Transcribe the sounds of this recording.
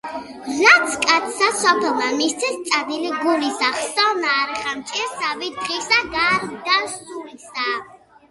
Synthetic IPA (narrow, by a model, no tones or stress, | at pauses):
ɾat̪sʰkʼat̪ʰsasɔpʰɛlˠmamist̪sʰɛst̪sʼad̪iliɡulisaχsaɔnaːɾɛχamt͡ʃʼɛɾsavid̪ʁisaɡaɾd̪aszulisa